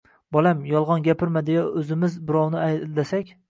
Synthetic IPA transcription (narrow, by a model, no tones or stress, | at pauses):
bɒlˠamjɒlˠʁɑnɡʲapʰɪɾmad̪ejaʔɵzɪmɪzbɪɾɒwnɪajd̪asakʲ